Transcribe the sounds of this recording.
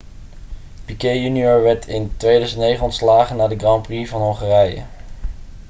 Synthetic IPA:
pikejjynioɹʋɛɹtʰɪntʋejdœɥzəntnejχənɔntslaːχənːaːdəɡrɑmprivɑnɦɔŋχaːrɛjə̰

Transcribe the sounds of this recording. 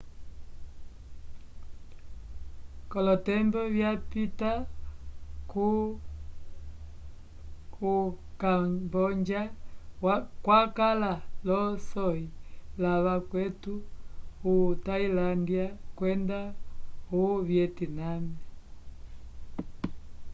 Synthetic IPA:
kɔlɔtɛmbɔβjapita | ku | kambɔɲd͡ʒa | kwakalalɔsɔilaβakwɛtuutailandiakwɛndauβjɛtinama

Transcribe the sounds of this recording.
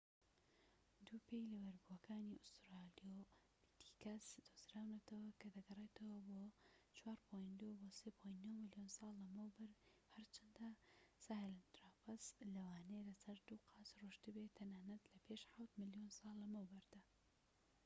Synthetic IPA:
d̪uːpʰejlɐwɐɾbuɐkaːniʔʊst̪ɾalijo | bit̪ʰi̥kɐsd̪̥uzɾaːwnɐt̪ʰɐwɐkʰɐd̪ɐɡɐrˤet̪ʰɐwɐboːt͡ʃwaːɾpʰojnd̪uwbosepʰojnnomɨlijonsɑːlːɐmɐwbɐɾhɐɾt͡ʃʰɐnd̪ɐsaːhɪlant̪ɾapɐslɐwaːnelɐsɐɾd̪uːqʰɑːsruʃd̪ɨbet̪ʰːɐnaːnɐt̪lɐpʰeːʃħawt̪mɨljonsɑːlːɐmɐwbɐɾd̪̥a

